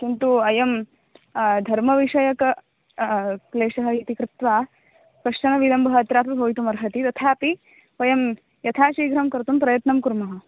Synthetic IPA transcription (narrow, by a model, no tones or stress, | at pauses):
kint̪uɐjɐm | d̪ʱɐɾmɐʋiʂɐjɐkɐ | kleːʂɐɦɐiːt̪ikɾɪt̪ʋaː | kɐʂt͡ʃɐnɐʋilɐmbʱɐɦɐɐt̪ɾaːpibʱɐʋit̪umɐɾɦɐt̪it̪ɐt̪ʰaːpi | ʋɐjɐm | jɐt̪ʰaːʃiːɡɾɐmkɐɾt̪umpɾɐjɐt̪nɐmkuɾmɐɦɐ̆